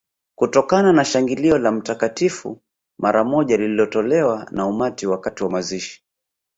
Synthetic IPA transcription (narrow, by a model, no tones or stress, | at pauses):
kutɔkananaʃaŋɡiliɔlam̩takatifṵ | mʔaɾamɔʄalililɔtɔlɛwanaumatiwakatiwamaziʃi̥